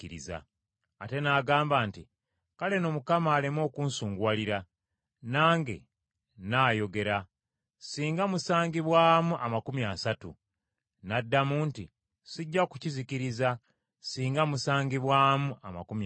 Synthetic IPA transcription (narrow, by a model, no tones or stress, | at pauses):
iɾḭza̰ | ate̞naːɡaːmbaːnti | kale̞no̞mukamaːlimo̞ːkuːnsuːŋɡwaːliɾa | naːŋɡe̞̰ | naːjo̞ɡe̞ɾa | siːŋɡamusaːŋɡiβwaːmuʔamakumjasatṵ | nadːamuntḭ | siɟːaku̥ciziciɾiza | siːŋɡamusaːŋɡiβwaːmuama̰kum